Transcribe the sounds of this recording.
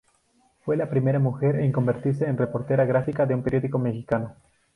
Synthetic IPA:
fwe̞lapɾime̞ɾamuxe̞ɾeŋko̞mbe̞ɾt̪iɾs̬eːnrepo̞ɾt̪e̞ɾaɣɾafikaðeumpeɾjo̞ðiko̞me̞xikano

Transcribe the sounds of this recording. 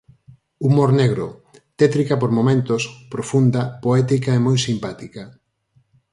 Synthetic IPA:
umoɾneɣɾot̪ɛt̪ɾikɐpoɾmomẽnt̪ospɾofund̪ɐpoɛt̪ikaemojsimpat̪ikɐ

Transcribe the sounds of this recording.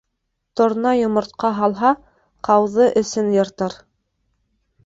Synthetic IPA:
t̪ŏɾnɑjŏmŏɾt̪̚qɑɦɑlˠɦɑ | qɑwðɤʔɘ̆sɘnjɤ̆ɾt̪ɤɾ

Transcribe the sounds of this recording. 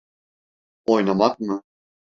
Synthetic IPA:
ojnamak̚mɯ

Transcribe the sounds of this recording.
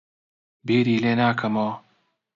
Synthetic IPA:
biːɾiːleːnaːkʰɐmoː

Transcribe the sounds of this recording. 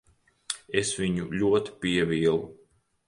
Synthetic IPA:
esviɲuʎʲuɔt̪i̥piɛviɛlˠu

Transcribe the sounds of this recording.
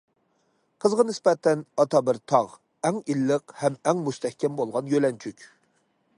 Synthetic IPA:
qʰəzʁɑnɪspɛt̪ʰːɛnɑt̪ɑbɪɾt̪ʰɑʁ | ɛŋilːəqhɛmɛŋmust̪ɛhkʲɛmbolˠʁɑnjølɛnt͡ʃʰykʲ

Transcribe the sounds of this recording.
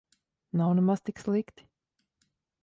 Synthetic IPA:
nawnɛmast̪ikslˠikt̪i̥

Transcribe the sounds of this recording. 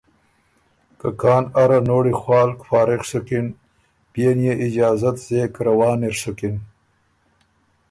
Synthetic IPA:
kakʰɑːnaɾanoːɽixwɑːlkfɑːɾɪxʂʊkɪn | b̥jenjeʔɪd͡ʒɑːzat̪z̥eːkɾawɑːniɾsʊkɪn

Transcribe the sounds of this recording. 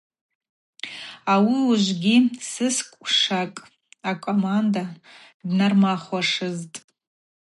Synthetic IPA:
awiuʒʷɡʲisɨskʷʼʂakʼ | akʷʼomanda | dnarmaχaʂɨztʼ

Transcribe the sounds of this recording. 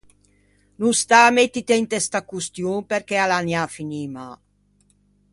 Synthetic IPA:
nust̪amet̪ːit̪ent̪est̪akust̪junpɛɾkɛalanjafiniːma

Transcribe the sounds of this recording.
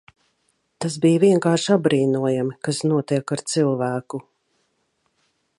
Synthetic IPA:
t̪asbijviɛŋkaːɾʃabɾiːnuɔjamikasnuɔt̪iɛkaɾt̪silˠvæːku

